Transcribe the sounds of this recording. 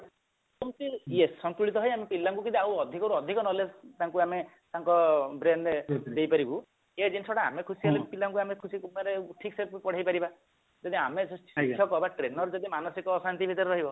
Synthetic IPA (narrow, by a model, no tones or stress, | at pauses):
tɔmt̪iesɔnt̪uɭit̪ɔɦɔjamepilːaŋkukit̪iawɔd̪ʱikɔɾuɔd̪ʱikɔnɔlet̪aŋkuame | t̪aŋkɔbɾenɖd̪ejpaɾibu | ed͡ʒinsɔɽaa̰mekʰusiɦelepilaŋkuamekʰusikumaɾeʈʰikseppɔɽ̤ajpaɾiba | d͡ʒɔd̪iamesikʰjɔkɔbaʈɾenɔɾd͡ʒɔd̪imanɔsikɔːsant̪ibʱit̪ɔɾeɾɔɦibɔ